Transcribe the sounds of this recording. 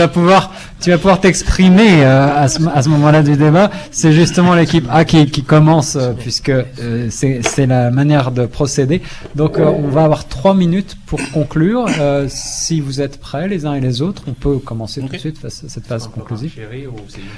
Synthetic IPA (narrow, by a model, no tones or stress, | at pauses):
t̪yvapuvwaʁ | t̪yvapuvwaʁt̪ɛkspχimeøasəasəmɔmɑ̃lad̪yd̪ebasɛʒyst̪əmɑ̃lekʲipakʲikʲikɔmɑ̃søpɥiskəːsɛsɛlamanjɛʁd̪əpχɔsed̪e | d̪ɔ̃køɔ̃vaːvwaʁt̪χwaminyt̪puʁkɔ̃klyːʁøsivuzɛt̪pχɛlezɛ̃elezot̪χɔ̃pøkɔmɑ̃set̪ut̪sɥit̪fasasɛt̪fazkɔ̃klyziv